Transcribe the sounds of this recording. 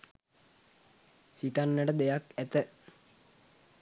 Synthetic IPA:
sit̪anːəʈəd̪ejakæt̪ə

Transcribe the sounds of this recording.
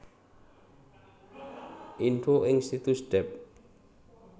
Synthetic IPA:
ʔinfoʔɪŋst̪it̪usɖ̥ɛp̚

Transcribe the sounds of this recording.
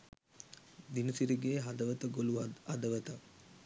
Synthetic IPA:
d̪inusiɾiɡeːɦɐd̪ɐʋət̪əɡoluɐd̪ɐʋɐt̪ə

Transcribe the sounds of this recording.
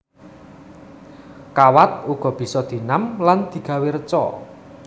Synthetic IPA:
kawat̪̚uɡ̥ɔ̤b̥i̤sɔd̪̥i̤namland̪̥i̤ɡ̥ä̤weɾət͡ʃɔ

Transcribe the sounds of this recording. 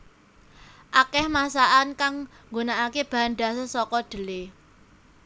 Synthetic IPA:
ʔakɛhmasaʔankaŋŋɡonaʔakeb̥a̤nɖasəsɔkɔɖ̪̥ə̤le

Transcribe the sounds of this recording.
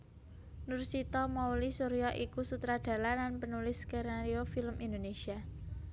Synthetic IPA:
nursit̪ɔmɔwlisuɾiɔʔikusut̪ɾad̪̥ä̤lananpənulɪskeɾaɾiofiləmʔind̪onesia

